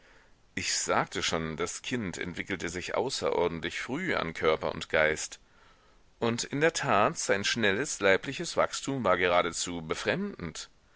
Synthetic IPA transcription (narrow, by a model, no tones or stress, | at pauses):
ʔɪçz̥aːk̚tʰəʃoːndaskʰɪntɛ̰ntv̥ɪkl̩təzɪçʔa̰ʊsɐ̰ʔɔ̰ɐdn̩tlɪçfʁ̥yːa̰nkʰœɐpɐ̰ʊ̰ntɡ̥aɪst | ʔʊntʔɪndeːɐtʰaːtz̥aɪnʃnɛləslaɪplɪçəsv̥a̰kstʰuːmvaːɐɡəʁ̞aːɾət͡suːbəfʁ̥ɛmdn̩t